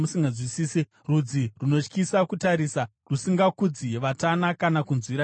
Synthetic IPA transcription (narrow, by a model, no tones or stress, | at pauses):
musiŋɡad͡zwisiːse | rud͡ziruno̞t͡ʃkisakutaɾiːsa | rusiŋɡakud͡ziʋatanakanakunzwiɾa